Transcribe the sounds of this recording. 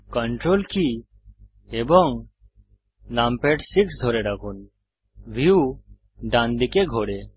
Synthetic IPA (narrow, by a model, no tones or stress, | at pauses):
kəɳʈɾolkʰi | ebɔŋ | lampeʈsiksd̪ʱoɾeɖakʰun | ʋiu | ɖãnd̪ikeɡʱoɽe